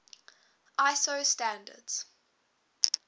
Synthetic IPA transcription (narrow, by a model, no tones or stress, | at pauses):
ʔaɪsoʊstæ̃ndə̰dz̥